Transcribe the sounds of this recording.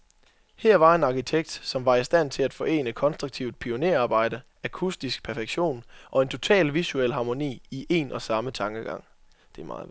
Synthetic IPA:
hæɐ̰ʋɑ̈e̝nɑ̈kʰit͡sʰeɡ̥̚d̥sɒ̽mʋɑ̈isd̥æn̰t͡sʰe̝læd̥fɒ̽ʔe̝̰ːnəkʰɒ̽nsd̥ʁuɡ̥̚t͡sʰiʊd̥̚pʰio̝ne̝ɐɑ̈ːb̥ɑ̈ɪ̰d̥ə | ækʰusd̥isɡ̥pʰæɐfeɡ̥ɕo̝̰ːnʔɒ̽e̝nt͡sʰo̝t͡sʰɛ̰ːlʋisuel̰ɦɑ̈ːmo̝nḭːiʔe̝nʔɒ̽sɑ̈mət͡sʰɑ̈ŋɡ̥əɡ̥ɑ̈ŋ̰ | d̥e̝mɑ̰̈ː

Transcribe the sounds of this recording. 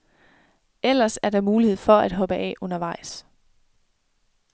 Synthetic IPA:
el̰ɐsæɐd̥ɑ̈muːlihe̝ð̞̰ˠfɒ̽æd̥ɦɒ̽b̥əʔɛ̰ʔɔ̽nɐʋɑ̈ɪ̰s

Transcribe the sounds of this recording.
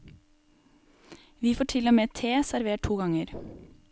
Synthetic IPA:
ʋiːfoːʈʰɪloːmeːt̪ʰeːsæɾʋeːʈ̚ʰuːɡɑŋəɾ

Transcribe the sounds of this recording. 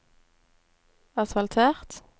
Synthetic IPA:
ɑsfɑlt̪ʰeːʁt̪

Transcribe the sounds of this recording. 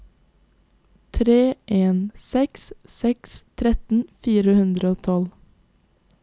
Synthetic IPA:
t̪ʰɾeːʔeːnsɛkssɛkst̪ʰɾɛt̪n̩fiːɾəhʉnd̪ɾəoːt̪ʰɔl

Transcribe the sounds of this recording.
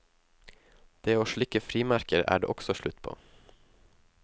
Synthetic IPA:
d̪̥eːoːʃɭɪkəfɾiːmæɾkəɾæ̰ːɖḛːʔɔksɔʃɭʉt̪pʰo̰ː

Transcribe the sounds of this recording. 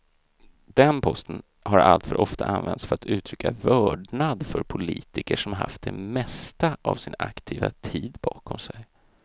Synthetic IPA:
d̪̥ɛnpʰɔst̪ən | haɾalt̪fœɾʔɔft̪aʔanvɛnt̪sfœɾat̪ʰʉ̟ːt̪ʰɾʏkːavœːɖɳad̪fœɾpʰʊliːt̪ɪkəʂɔmhaɾha̰ft̪̚d̪ɛmɛst̪aʔavsɪnakt̪ʰiːvat̪ʰiːd̪bɑːkʰɔmsɛj

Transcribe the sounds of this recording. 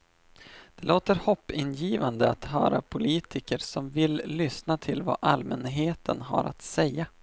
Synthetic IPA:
d̪̥ɛloːt̪əɾhɔpːɪnjiːvand̪əat̪ɦœːɾapʰʊliːt̪ʰɪkəɾsɔmvɪlːʏsnat̪ʰɪlva̰ʔalmənɦeːt̪ʰənɦa̰ɾa̰t̪sɛjːa

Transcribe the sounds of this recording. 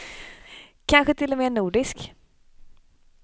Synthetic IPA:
kʰanɧət̪ʰɪlːɔmeːnuːɖɪsk

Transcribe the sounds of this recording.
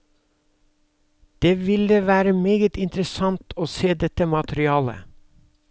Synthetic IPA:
d̪̥eːʋɪləʋæːɾəmeːɡət̪ɪnt̪ɾəsɑnt̪ʰoːseːd̪ɛt̪əmɑt̪ʰəɾɪɑːlə̰

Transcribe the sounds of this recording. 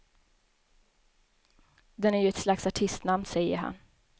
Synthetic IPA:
d̪ɛnæɾjɵɛt̪slaksaʈʰɪst̪namnsɛjːə̰ɾɦa̰n

